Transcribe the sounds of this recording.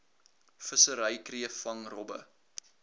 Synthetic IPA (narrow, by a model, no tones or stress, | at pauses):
fəsəɾəjkriəfɐŋrɔbə̰